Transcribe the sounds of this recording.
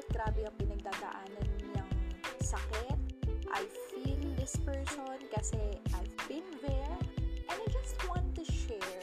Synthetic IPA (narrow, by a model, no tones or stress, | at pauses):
t̪̚ɡɾaːbɛɐŋpɪnɐɡ̚d̪aːd̪ɐ̰ʔaːnɐnɲɐŋsɐkɛt̪̚ʔa̰jfild̪ɪspɛɹsonkɐsɛʔajvbɪ̃nðɛɹʔɛ̃najd͡ʒɐst̪wɑ̃nt̪ːʊʃɛ